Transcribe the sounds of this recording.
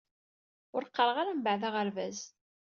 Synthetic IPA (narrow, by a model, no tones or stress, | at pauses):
ʊɾqːəɾˤəʁaɾambaʕðaʁəɾvæz